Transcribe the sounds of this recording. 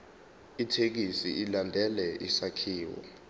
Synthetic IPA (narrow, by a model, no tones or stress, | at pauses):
itʰek̬isḭilandʱɛlɛʔisakʰiːwɔ̰